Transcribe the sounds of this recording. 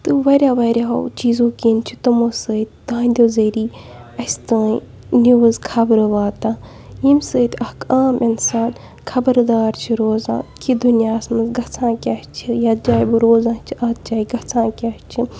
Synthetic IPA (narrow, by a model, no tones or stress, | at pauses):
t̪ɨʋɐɾʲaːʋɐɾʲjaːɦo̰wt͡ʃiːzõːkiːnt͡ʃʰit̪ɨmosət̪ʲt̪ãːnd̪ʲoːzɐɾiː | ɐst̪aː | nuʋɨzkʰɐbɾɨʋaːt̪aː | jimsɨːt̪ʲɐkaːmʔinsaːn | kʰɐbəɾd̪aːɾt͡ʃʰiɾoːzã̰ːkʰid̪unjaːsmɐzɡɐt͡sʰãːkʲɐst͡ʃʰijɐd̪̚d͡ʒaːjbɨɾoːzãːt͡ʃʰiʔɐt̪̚d͡ʒaːiɡɐt͡sʰãːkʲɐst͡ʃʰi